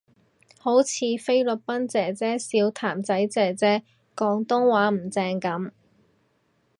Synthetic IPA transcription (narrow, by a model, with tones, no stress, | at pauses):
ho˨˥wt͡sʰiː˨˧fe˥jlɵ˨k̚pɐ˥nt͡sɛː˨t͡sɛː˥siː˨˧wt̪ʰaː˨˩mt͡sɐ˨˥jt͡sɛː˨˩t͡sɛː˥ | kɔː˨˧ŋt̪ʊ˥ŋwaː˨˥m̩˨˩t͡sɛː˧ŋkɐ˨˥m